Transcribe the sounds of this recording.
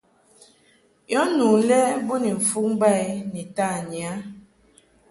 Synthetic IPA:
jɔ˦nu˨lɛ˦bu˦ni˨ɱ̩˨fu˦km˦ba˦˨jni˨ta˦˨ɲi˨a˦

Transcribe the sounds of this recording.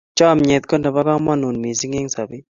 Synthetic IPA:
t͡ʃɔ˦˨mɲɛ˨t̪̚kɔ˦ndɛ˨ba˦kɔ˦mɔ˦nu˨nmi˨si˦ŋɪ˦ŋsa˨bɪ˦

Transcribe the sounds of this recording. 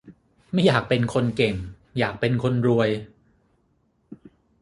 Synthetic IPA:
ma˥˩jaː˨˩k̚pe˧nkʰo˧nke˨˩ŋ | jaː˨˩k̚pe˧nkʰo˧nɾu˧əj

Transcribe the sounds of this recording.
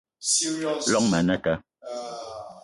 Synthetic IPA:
lɔ˦ŋmɛ˨˦nɛ˦kɛ˦

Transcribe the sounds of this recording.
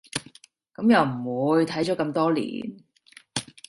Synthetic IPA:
kɐ˨˥mjɐ˨wm̩˨˩wuː˨˧jt̪ʰɐ˨˥jt͡ʃɔː˨˥kɐ˧mt̪ɔː˥lḭː˨˩n

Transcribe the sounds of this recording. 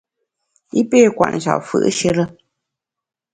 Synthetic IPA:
i˦peː˦˨kwa̰˨ʔn̩˨t͡ʃa̰˨fɨ̰˨ʔʃə˦ɾə˦

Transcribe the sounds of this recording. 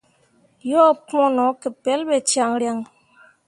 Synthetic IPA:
jɔ˦˨pɔ˦nɔ˨˦ke˨pɛ˨˦lbɛ˨t͡ʃja˨ŋɾja˨ŋ

